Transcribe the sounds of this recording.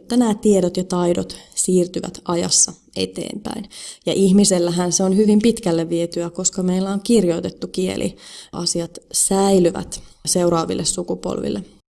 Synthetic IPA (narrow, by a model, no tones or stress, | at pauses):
t̪ːænæːt̪ieɾot̪jɑt̪ɑidot̪siːrt̪yʋæ̰t̪ɑjɑ̰sːɑ | e̞̰t̪ḛːmpæ̰injɑʔihmiselːæɦænseonhyʋimpit̪kælːeʋʋiet̪yæko̞skɑmeilːæoŋkirjo̞it̪et̪ːukiḛlʔḭʔɑ̰siɑt̪sæilyʋæ̰t̪seuɾɑːʋḭlːʔessukupo̰lʋḭlːe